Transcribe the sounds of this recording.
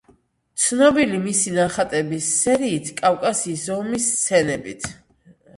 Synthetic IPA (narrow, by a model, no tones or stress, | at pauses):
t̪sʰnɔbilimisinaχat̪ʼɛbisːɛɾiːt̪ʰkʼafkʼasiːsɔmist̪sʰɛnɛbit̪ʰ